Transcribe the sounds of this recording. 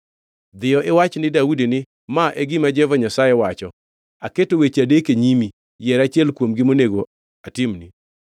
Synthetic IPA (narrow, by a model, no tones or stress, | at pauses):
d̪ɪjɔʔɪwat͡ʃnɪdaudinɪ | maʔeɡɪmad͡ʒɛvaɲasajɛwat͡ʃɔ | aketowet͡ʃadekeɲimi | jɛɾat͡ʃɪɛlkwomɡɪmoneɡo | atɪmni